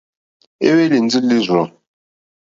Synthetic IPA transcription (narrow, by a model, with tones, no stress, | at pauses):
ḛ˦we˦li˨n˦d͡zi˦li˦zʷɔ˨